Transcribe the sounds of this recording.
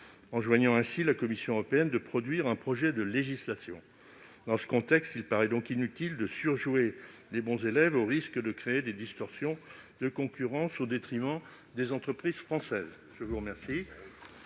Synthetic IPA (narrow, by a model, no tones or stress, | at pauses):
ɑ̃ʒwaɲɑ̃ɛ̃silakɔmisjɔ̃əʁɔpeɛnd̪əpχɔd̪ɥiʁɛ̃pχɔʒɛd̪əleʒislasjɔ̰̃ | d̪ɑ̃sə̥kɔ̃t̪ɛkst̪ilpaʁɛd̪ɔ̃kinyt̪ild̪əsyʁʒwelebɔ̃zelɛvoʁiskəd̪əkχeːd̪ed̪ist̪ɔʁsjɔ̃ | d̪əkɔ̃kʲyʁɑ̃sod̪et̪χimɑ̃ | d̪ezɑ̃t̪χəpχizfχɑ̃sɛz | ʒəvuʁəmɛʁsi